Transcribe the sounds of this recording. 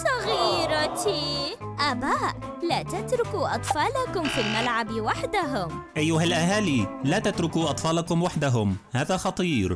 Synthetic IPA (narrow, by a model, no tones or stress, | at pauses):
sˤɑɣiːɾˤɑt̪i | ʔaːbaːʔ | laːt̪at̪ɾʊkuʔɑt̪ˤfɑːlakʊmfiːlmalʕabwaħd̪aɦʊmʔajːʊɦalʔaɦaːliːlaːt̪at̪ɾʊkuːʔɑt̪ˤfɑːlɑkʊmwaħd̪aɦʊmhaːðaːxɑt̪ˤiːɾ